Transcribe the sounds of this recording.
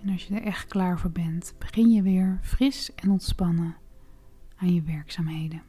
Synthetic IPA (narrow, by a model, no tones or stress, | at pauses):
ɛnɑʃjədəɹʔɛχt̚klaːɹvʊːɹbɛntb̥əχɪnjəʋɪːɹv̥rɪsɛnɔntspɑnə | aːnjəʋɛɹksaːmɦejdə